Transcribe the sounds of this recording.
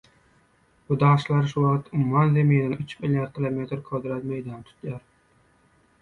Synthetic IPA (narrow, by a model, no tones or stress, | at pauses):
bʊd̪ɑʃlˠɑɾʃuwɑqt̪ʊmummɑnzemijed̪ænyt͡ʃmiljɑɾd̪̚kʲʰilˠomet̪ɾkʰod̪ɾɛt̪mejd̪ɑnt̪ʰʊ̥t̪ʰjɑɾ